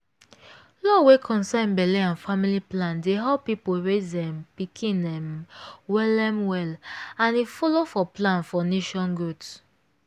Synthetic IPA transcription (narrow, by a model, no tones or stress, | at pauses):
lɔwekʰɔ̃nsãnbɛleãnfamiliplãndeɦapipoɹezdɛ̃mpikʰĩnɛ̃mwɛlɛmwɛlãnifɔlofɔplãnfɔneʃɔ̃nɡuds